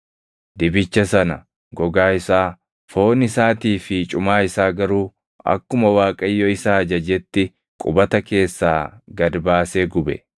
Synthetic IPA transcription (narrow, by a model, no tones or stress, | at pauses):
d̪ɪbɪt͡ʃːɐsɐnɐ̰ | ɡɔɡaːɪsaː | fo̞ːnɪsaːt̪iːfɪt͡ʃʼʊmaːɪsaːɡɐɾuː | ɐ̰kːʊmɐwaːkʼɐjːɔɪsaːɐd͡ʒɐd͡ʒɛt̪ːɪ | kʼʊbɐt̪ɐke̞ːsːa̰ːɡɐd̪baːse̞ːɡʊbɛ̰